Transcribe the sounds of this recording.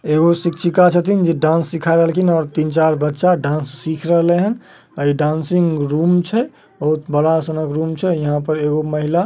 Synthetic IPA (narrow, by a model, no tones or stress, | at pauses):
eɣosikt͡ʃʰikat͡ʃʰət̪ind͡ʒeɖãnsːikʰajɾəɦəlkʰinɔːɾt̪int͡ʃaɾbətːʃaɖãːnsːikʰɾəɦleɦən | əiɖãnsiŋɡɾumt͡ʃʰɛ | bəɦut̪bəɽasənəkɾumt͡ʃʰɛjəɦãpəɾeɣoməɦila